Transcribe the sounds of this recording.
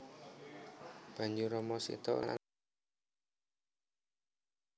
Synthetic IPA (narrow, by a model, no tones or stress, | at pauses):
b̥a̤ɲd͡ʒuɾɔmɔsḭt̪ɔ̰aa̰